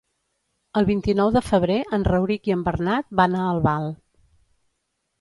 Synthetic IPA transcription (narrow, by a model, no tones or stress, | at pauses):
əlˠβint̪inɔwðəfəβ̞ɾeʔənrəwɾikiəmbərnat̪̚banaəlˠβalˠ